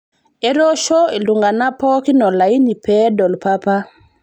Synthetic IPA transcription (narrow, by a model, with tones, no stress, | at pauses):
e˦ɾɔʃɔ˦e˨lu˨ŋɡa˨na˦pɔ˦ki˦nɔ˨la˨i˦ni˨pɛ˦dɔ˨lpapa˦